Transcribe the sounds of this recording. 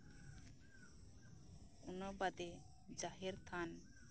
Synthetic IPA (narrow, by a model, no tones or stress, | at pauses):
unɔbad̪e | d͡ʒaɦɛɾt̪ʰan